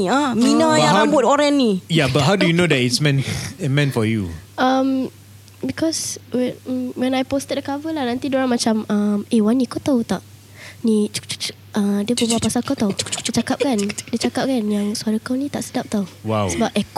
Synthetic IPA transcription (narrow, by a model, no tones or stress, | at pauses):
iaminãjaãmbʊt̪̚ɔɾɛnːijabat̚ɦawdujunodɛtitsmɛ̃nəmɛ̃nfɔjṵʔam | bikɔswɛn̩wɛ̃najpost̪ət̚dəkavəlahnãnt̪idoɾaŋmat͡ʃamamewanːikot̪aut̪aʔ | nit͡ʃu̥kt͡ʃu̥kt͡ʃ | ʔadiəpəbuapasalkat̪aut͡ʃt͡ʃt͡ʃut͡ʃakap̚kandiət͡ʃakap̚kanjaŋsuaɾəkawnit̪aʔsədap̚t̪auwawsəbap̚ʔɛk